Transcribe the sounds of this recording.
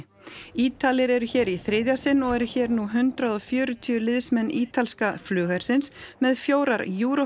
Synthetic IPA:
iːt̪alɪɾɛɾʏçɛːɾiθɾɪːðjasɪnːɔɣɛɾçɛːɾnuɦʏnt̪ɾaðɔfjœːɾʏt̪ʰyʏlɪðsmɛnːiːt̪ʰalskaflʏːɣaɾ̥sɪnsmɛðfjoːwɾaɾjuːɾɔ

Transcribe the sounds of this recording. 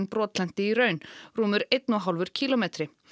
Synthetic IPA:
npɾɔːt̪lɛn̥t̪ɪiɾœːɥnruːmʏɾejt̪nɔɦalvʏɾ̥cʰiːlɔmeːt̪ɾɪ

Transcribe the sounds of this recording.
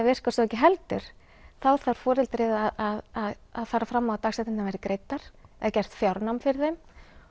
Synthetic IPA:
ɛvɪr̥kasɔɛcːɪɦɛlt̪ʏ̰ɾ̥ | θawθaɾ̥fɔːɾɪlt̪ɾɪðaðaðaða̰ðfaːɾafɾamːaat̪aːxsɛt̪ɪnavɛjɾɪkɾeːjt̪aɾ̥ɛðacɛjr̥t̪fjawɾnawmfɪɾɪðθejm

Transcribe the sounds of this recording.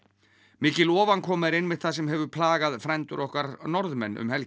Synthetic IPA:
mɪːcɪlɔːvankʰɔːmɪɾɪnmɪðθaðsɛmɦɛvʏpʰlaːɣaðfɾɛjnt̪ʏɾʔɔhkaɾnɔɾðmɛnːʔʏ̰mhɛl

